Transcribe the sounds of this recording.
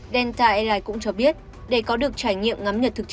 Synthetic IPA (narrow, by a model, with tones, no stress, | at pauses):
ɗɛ˧nt̪aː˧ʔɛ˧laː˧jkʊ̰˧˥ŋ͡mt͡ɕɔ˧ɓi˦˥ət̚ | ɗe˧˩jkɔ˨˦ɗɨ˨˩ək̚t͡ɕaː˧˩jŋḭ˧˨əmŋa˨˦mɲə˨t̚t̪ʰɨ˨˩k̚